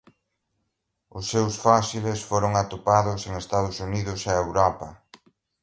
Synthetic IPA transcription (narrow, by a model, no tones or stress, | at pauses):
ʊsːewsfasilesfoɾʊŋat̪opaðʊseŋest̪að̞ʊsuniðʊsaewɾɔpɐ